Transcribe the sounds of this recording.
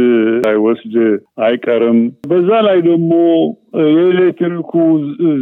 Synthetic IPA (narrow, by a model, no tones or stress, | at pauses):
ajwɔsd̪ajkʼəɾɨmbəzːalajd̪əɡmojɛlet̪ʰɨɾikʰu